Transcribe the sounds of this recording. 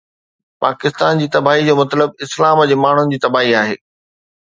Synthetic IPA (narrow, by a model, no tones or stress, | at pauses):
paːkɪst̪aːnd͡ʑiːt̪ɐbaːɦid͡ʑoːmɐt̪ləb̚ɪslaːməd͡ʑeːmaːɳ̤ʊnɪ̆d͡ʑiːt̪ɐbaːɦiaːɦḛː